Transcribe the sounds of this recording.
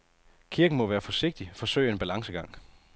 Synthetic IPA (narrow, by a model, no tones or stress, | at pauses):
kʰiɐɡ̥n̩mɒ̽ʋæːɐfɒ̽se̝ɡ̥̚d̥ifɒ̽søɪ̰e̝nb̥ælɑ̈ŋsəɡ̥ɑ̈ŋ̰